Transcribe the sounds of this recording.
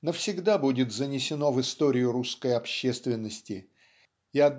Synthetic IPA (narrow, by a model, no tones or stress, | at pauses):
nəfsʲɪɡd̪abudʲɪt̪zənʲɪsʲɪno̞vɨst̪o̞ɾʲɪjʊɾuskəjɐpɕːest̪vʲɪnːəsʲtʲɪ | ɪɐd̪